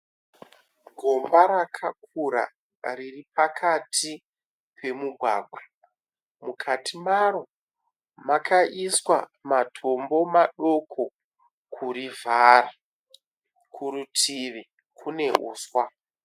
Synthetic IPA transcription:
ɡʱo̞mbaɾakʰak̚uɾa̰ | riripakʰatʰi | pʰe̞muɡʱwa̰ːɡʱwa | mukʰatʰimaɾo̞ | makaʔiswamatʰo̞mbo̞maɗo̞kʰo̞ | kʰuɾivʱaɾa | kʰuɾutʰiʋe | kʰune̞ʔṵːswa

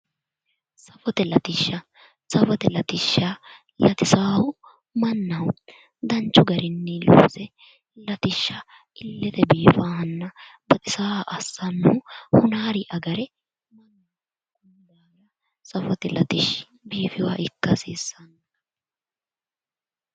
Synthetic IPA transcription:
sɐfɔt̪ɛlɐt̪ɪʃːɐ | sɐfɔt̪ɛlɐt̪ɪʃːa | lɐt̪ɪsaːhʊ | mɐnːɐw | d̪ɐnt͡ʃːʊɡɐɾɪnːɛlṵːsɛ | lɐt̪ɪʃːɐ | ɪlːɛt̪ɛbiːfaːhɐnːɐ | bɐt̪ɪsaːhɐʔɐsːɐnːʊhʊhʊnaːɾɪʔɐɡɐɾɛ | mɐnːɐ | kʼʊnd̪aː | ɐ | sɐfɔt̪ɛlɐt̪ɪʃ | biːfɪwaːʔɪkːɐsiːsːɐnɐ

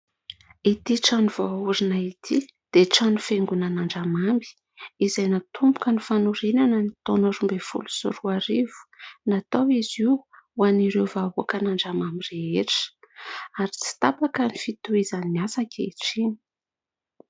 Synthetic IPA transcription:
it̪iʈ͡ʂanuv̥oauɾinait̪ʰi | d̪̥eʈ͡ʂanufeŋɡunanaɳɖ͡ʐamambi̥ | izajnat̪ʰumbu̥kənifanuɾenanənit̪onaɾumbefṵlu̥sṵɾuaɾivu̥nat̪owiziwaniɾewvauakənaɳɖ͡ʐamamiɾeeʈ͡ʂə̥aɾit͡si̥t̪apakənifit̪uizaniasakʲeʈ͡ʂini̥

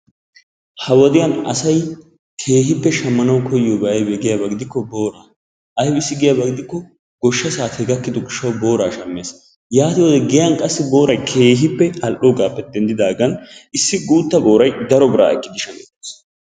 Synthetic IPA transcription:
hɐwɔd̪ɪjɐnɐsɐj | kʰe̞ːɦɪpːɛʃɐmːɐnɐwkʰɔjːoːbɐʔɐjbɛɡɪjabɐɡɪd̪ɪkːɔboːɾaː | ʔɐjbɪsːɪɡɪjabɐɡɪd̪ɪkːɔ | ɡ̥ɔʃːɐsaːt̪ʰɛɡɐkːɪd̪ɔɡɪʃːɐwbo̞ːɾaːʃɐmːes | jaːt̪ɪwɔd̪ɛɡɛjɐnkʼɐsːɪbo̞ːɾɐjkʰe̞ːɦɪpːɛɐlʔoːɡaːpːɛt̪̚d̪ɛnd̪ɪd̪aːɡɐnɪsːɪɡuːt̪ːɐbo̞ːɾɐjd̪ɐɾɔbɪɾa̰ːɛkʼːɪd̪ɪʃɐŋɛt̪ːes

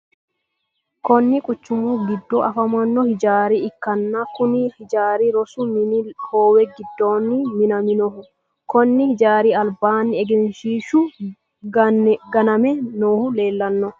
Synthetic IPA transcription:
kɔnːɪkʼʊt͡ʃːʊmuɡɪd̪ːoːʔɐfɐmɐnːɔhɪd͡ʒaːɾiɪkːɐnːɐkʊnihɪd͡ʒaːɾiɾɔsʊmɪnihoːwɛɡɪd̪ːoːnːimɪnɐmɪnɔhʊ | kɔnːɪhɪd͡ʒaːɾiɐlbaːnːɪɛɡɛnʃiːʃʊ | ɡɐnɐmɛnoːhʊle̞ːlːɐnːɔ

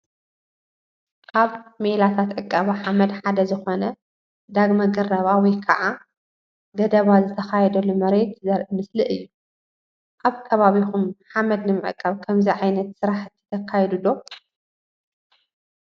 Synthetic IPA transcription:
kʰaβmelat̪ʰat̪ʕɨkʼːaβaħamɐd̪ħad̪ɐzɨxo̞nɐ | d̪aɡmɐɡɐrɐβawɔjkʰɐʔa | ɡɐd̪ɐβazɨt̪ʰɐxajɛd̪ɐlumɐɾe̞t̪zɐɾɨmɨslɨʔɨjːu | ʔaβkʰɐβaβixumħamɐd̪nɨmɨʕɨ̰kʼːɐβkʰɐmziʕajnɐt̪sɨɾaħɨt̪ʰːi̥t̪ʰɐkʰːajɛd̪ud̪o̞

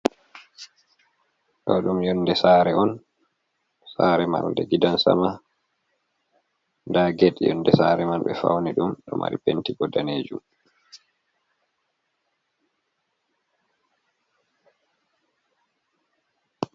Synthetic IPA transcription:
ɗɔɗumjɔnːdɛsaːɾɛɔn | saːɾɛma̰lndɛɡidansa̰ma | ndaɡeɗjɔ̰nːdɛsaːɾɛmanɓɛfa̰wniɗumɗɔmʔa̰ɾḭpentiɡɔdaneːd͡ʒum

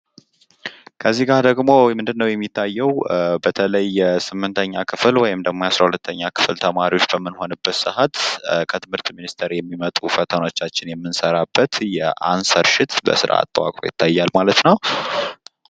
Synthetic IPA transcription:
kʰəzːihɡad̪əɡmo̞mɨnd̪ɨnːəwjɛmːit̪ʰːajːɛwbət̪ʰələjːɛsɨmːɨnt̪ʰəɲːakʰɨflwɔjɪmd̪əɡmojasɾahulət̪ʰːəɲːakʰɨ̥flt̪ʰəmaɾiwo̞t͡ʃːbəmːɨnho̞nɨbːət̪sɨɦat̪kʰət̪ʰɨmhɨɾt̪minist̪ʰəɾjɛmːimət̪ʼufət̪ʰəno̞t͡ʃːat͡ʃːɪnjɛmːɨnsəɾabːət̪jɛʔansəɾʃɪt̪bə̰sɨɾʔa̰a̰t̪ʼːəwa̰kʼɾojɪ̰t̪ʰːajːalmalət̪nəw

